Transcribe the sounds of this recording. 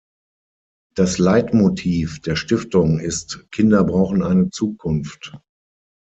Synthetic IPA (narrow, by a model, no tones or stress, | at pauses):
d̥aslaɪtmotʰiːfd̥eːɐʃtɪftʊŋɪstkʰɪndɐbʁaʊxn̩aɪnət͡suːkʰʊnft